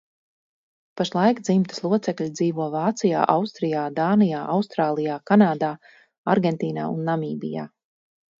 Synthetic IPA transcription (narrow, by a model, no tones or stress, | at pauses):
paʃlˠajkd̪zimt̪ɨ̥slˠuɔt̪sɛkʎʲid̪ziːvuɔvaːt̪sija̰ːʔawst̪ɾijaːd̪aːnijaːʔawst̪ɾaːlˠijaːkanaːd̪aː | a̰ɾɡɛnt̪iːna̰ːunːamiːbḭja̰ː